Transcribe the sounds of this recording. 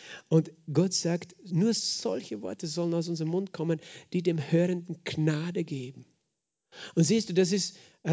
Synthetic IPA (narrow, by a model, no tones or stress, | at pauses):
ʔʊntɡ̥ɔtz̥aːktnuːɐz̥ɔ̰lçəvɔ̰ɐtəzɔlənaʊs̬ʊnzəʁəmʊnt̚kʰɔmənd̥iːdeːmhøːʁəndn̩ɡ̥naːdəɡeːbm̩ | ʊntz̥iːstd̥uːdas̬ɪst